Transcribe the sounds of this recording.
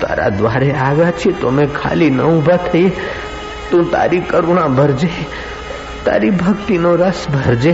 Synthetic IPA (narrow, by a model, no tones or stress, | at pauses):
t̪a̰ɾa̰d̪ʋaɾeaʋjat͡ʃʰiet̪omẽkʰa̰linə̰ubʱat̪ʰəje | t̪ũt̪a̰ɾikəɾuɳ̃ãbʱəɾd͡ʒe | t̪a̰ɾibʱəkt̪inoɾəsbʱəɾd͡ʒe